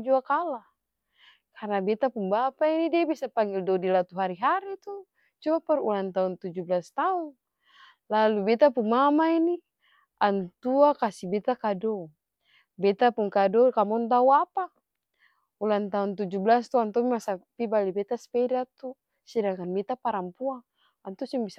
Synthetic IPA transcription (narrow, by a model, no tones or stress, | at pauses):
d͡ʒuakala | kʰarnabɛt̪apunbapainidiabisapaŋɡildɔdilat̪uɦaɾiɦaɾit̪u | t͡ʃuaparulant̪aunt̪ud͡ʒublast̪aun | lalubɛt̪apuŋmamaini | ʔant̪uakasibɛt̪akadɔ | bɛt̪apuŋkadɔkamɔnt̪auapa | ulant̪aunt̪̬ud͡ʒublast̪uant̪ɔmimasapibalibɛt̪aspɛdat̪u | sidakanbɛt̪apaɾampua | ant̪uasuŋbisa